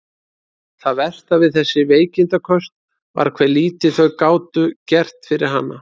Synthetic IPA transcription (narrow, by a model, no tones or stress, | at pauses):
θaðvɛl̥t̪avɪðθɛsːɪveːjcɪnt̪akʰœst̪ | va̰ɾkʰv̥ɛːliːt̪ɪθœɥkaːwt̪ʏcɛr̥t̪fɪɾɪɾ̥ɦanːa